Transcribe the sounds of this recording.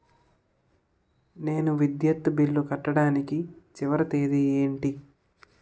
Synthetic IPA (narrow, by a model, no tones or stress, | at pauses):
ne̞ːnuʋid̪jɐt̪bilːukɐʈːɐɽaːnikit͡ʃiʋɐɾɐt̪eːd̪ieːɳʈi